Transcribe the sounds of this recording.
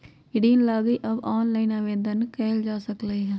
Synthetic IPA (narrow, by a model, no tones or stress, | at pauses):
ɪɽiːnlaːɡiːʔəbaːnlaːinaːʋeːd̪ənkɛːld͡ʒaːsəkleːɦɛː